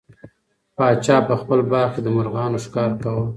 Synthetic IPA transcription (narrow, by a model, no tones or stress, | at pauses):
pɑːt͡ʃɑːpəxpəlbɑɾked̪əmʊɾɣɑːnoʃɪ̥kɑːɾkawə